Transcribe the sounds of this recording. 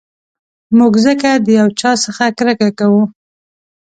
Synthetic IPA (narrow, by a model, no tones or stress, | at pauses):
muɡzəkad̪əjawt͡ʃɑsəxakɾəkakawu